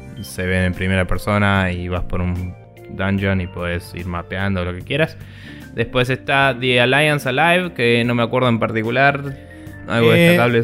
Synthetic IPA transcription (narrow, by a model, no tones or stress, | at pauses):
se̞βe̞nempɾime̞ɾapeɾso̞naiβaspo̞ɾun | d̪and͡ʒonipwoðesḭɾmapeand̪olo̞kekje̞ɾas | d̪e̞spwe̞s̬e̞st̪aðialajansalajβkeno̞meakwe̞ɾð̞oempaɾt̪ikulaɾ | a̰lɣoðesk̪akaβle